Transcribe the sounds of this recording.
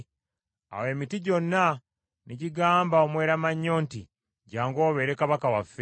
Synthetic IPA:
a̰we̞ːmitiɟo̞nːa | niɟiɡaːmbao̞mwe̞ːɾamaɲːoːnti | ɟaːŋɡo̞ːβe̞ɾe̞kaβakawafːe

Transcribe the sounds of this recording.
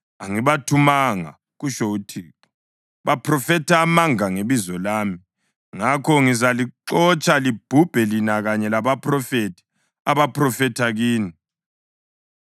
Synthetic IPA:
aŋiβatʰumaŋa̰ | ɣuʃoutʰiːǁɔ̥ | βapʰrɔfɛtʰaːmaŋaŋeβizɔlaːmi | ŋakʰɔŋizaliǃɔt͡ʃʼalib̥ʱub̥ʱɛlinaɣaɲɛlaβapʰrɔfetʰi̥ | aβaprɔfɛtʰaɣiːni

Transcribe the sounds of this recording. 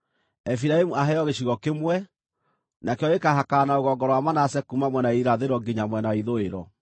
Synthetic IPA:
ɛfiɾaemuaɦɛɔɣeɕiɣɔkemwɛ | nakeɔekaɦakanaoɣɔɡɔɾɔwamanasɛkumamwɛnaiɾaðeɾɔɡiɲamwɛnaiðoeɾɔ

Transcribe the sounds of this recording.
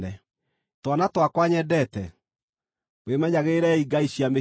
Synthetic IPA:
ɛ | twanatwakwaɲɛdɛtɛ̰ | mwemɛɲaɣeɾɛiɡaiɕiame

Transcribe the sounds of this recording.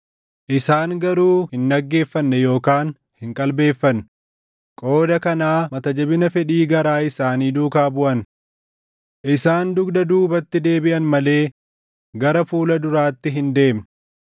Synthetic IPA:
ʔɪsaːŋɡɐɾuːhɪnːɐɡːe̞ːfːɐnːɛjo̞ːkaːn | hɪŋkʼɐlbe̞ːfːɐn | kʼo̞ːd̪ɐkɐnaːmɐt̪ɐd͡ʒɐbɪnɐfɛᶑiːɡɐɾaːɪsaːniːd̪uːkaːbʊʔɐn | ʔɪsaːnd̪ʊɡd̪ɐd̪uːbɐt̪ːɪd̪e̞ːbɪʔɐnmɐle̞ː | ɡɐɾɐfuːlɐd̪ʊɾaːt̪ːɪɦɪnd̪e̞ːm

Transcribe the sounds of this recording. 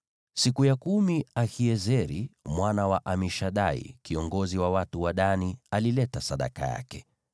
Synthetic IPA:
sikujakumiahiɛzɛɾimwanawaʔamɛʃaɗaḭkiɔŋɡɔziwawatuwaɗanialilɛtasaɗa̰ka̰ja̰kɛ̥

